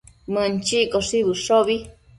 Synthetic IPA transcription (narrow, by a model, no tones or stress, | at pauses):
mənt͡ʃikoʂiβɨʂoβi